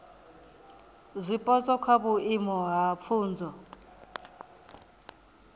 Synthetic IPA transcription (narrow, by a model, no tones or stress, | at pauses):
zʷipʼɔt͡sʼɔkʰwabuimɔɦap̪fʰuːnd͡zʱɔ